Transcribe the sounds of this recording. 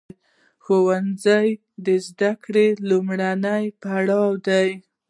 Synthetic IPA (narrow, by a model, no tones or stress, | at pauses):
xowanzaj | d̪əzd̪akɽelumɽanajpaɽɑwd̪aj